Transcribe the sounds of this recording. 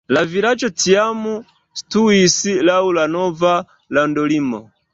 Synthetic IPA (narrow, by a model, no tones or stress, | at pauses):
laviɾat͡ʃɔtʰiamu | stuisilaulanɔva | landɔlimɔ